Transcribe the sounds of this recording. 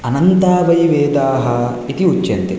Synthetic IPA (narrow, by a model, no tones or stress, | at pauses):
ɐnɐnt̪aːʋɐjʋeːd̪aːɦɐ | it̪iut͡ʃːt͡ʃːɐnt̪i